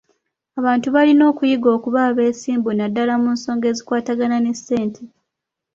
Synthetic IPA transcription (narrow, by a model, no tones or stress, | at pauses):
aβaːntuβalino̞ːkujiɡo̞ːkuβaːβe̞ːsiːmbunadːalamunso̞ːŋɡe̞ːzikwaːtaɡanane̞se̞ːntʰe